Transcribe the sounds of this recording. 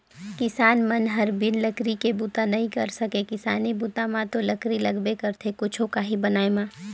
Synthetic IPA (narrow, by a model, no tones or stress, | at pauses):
kɪsaːnmɐnɦɐɾbɪnlɐkɾikebuːt̪anɐɦĩkɐɾsɐkekɪsaːnibuːt̪ãmãt̪olɐkɾilɐɡbekɐɾt̪ʰekʊt͡ʃʰokaɦibɐnaːemãː